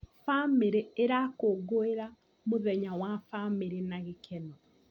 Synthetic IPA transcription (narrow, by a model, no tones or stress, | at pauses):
fameɾeeɾakoɡoeɾa | moðɛɲawafameɾenaɣekʰɛnɔ